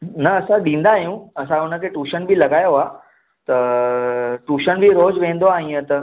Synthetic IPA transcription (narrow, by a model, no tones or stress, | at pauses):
nɐɐsãɗĩːnd̪aːɦijũɐsãʊnə̆kʰeːʈuːʃənbʱilɐɡaːjoɦaː | t̪ɐ | ʈuːʃənbʱiɾoːd͡ʑʋẽːnd̪oaːɦĩːət̪ɐ